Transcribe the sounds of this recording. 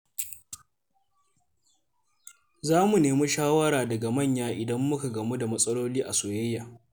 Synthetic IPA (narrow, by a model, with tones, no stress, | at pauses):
zaː˦mu˨neː˨mu˦ʃaː˦wɐ˦ɾaː˨dɐ˨ɡa˨mɐ˦˨ɲjaː˦ʔɪ˨dɐ˦mːʊ˦ka˨ɡɐ˨mu˦da˨mɐ˦sʼɐ˦loː˦liː˦ʔa˨soː˨jɐ˦jːaː˨